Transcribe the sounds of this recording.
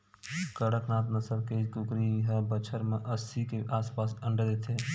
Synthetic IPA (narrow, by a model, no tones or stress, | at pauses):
kəɽək̪nãːt̪nəsəɾkeːd͡ʒkʊkɾiɦabət͡ʃʰəɾmẽʔəsikeʔaːspaːsə̃ɳɖd̪et̪ʰeː